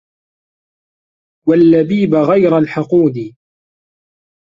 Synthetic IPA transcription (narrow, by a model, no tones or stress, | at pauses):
walːabiːbaɣajɾalħɑquːd̪i